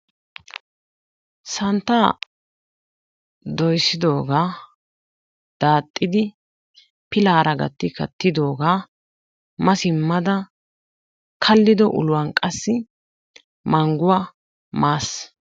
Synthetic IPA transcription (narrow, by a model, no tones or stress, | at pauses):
sɐnt̪ːaː | d̪ɔjsːɪd̪o̞ːɡaː | d̪̥aːt̪ʼːɪd̪ɪ | pɪlaːɾɐɡɐ̰t̪ːɪkɐ̰t̪ːɪd̪o̞ːɡaː | mɐsɪmːɐd̪ɐ | kʰɐlːɪd̪ɔʔʊ̰lʊwɐnkʼɐsːɪ | mɐŋɡʊwa | maːs